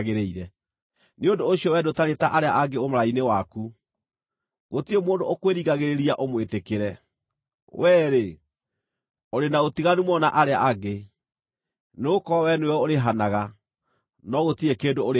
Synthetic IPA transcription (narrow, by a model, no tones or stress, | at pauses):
ɣeɾeiɾɛ | neondoːɕiɔwɛdotaɾetaʔaɾeaʔaɡeomoɾainewaku | ɣotiemoːndookweɾiɣaɣeɾeɾiaʔomwetekeɾɛ | wɛːɾe | oɾenaotiɣanumwɔnaʔaɾeaʔaɡe | neokɔɔwɛnueɔoɾeɦanaɣa | nɔɣotiekeːndooɾ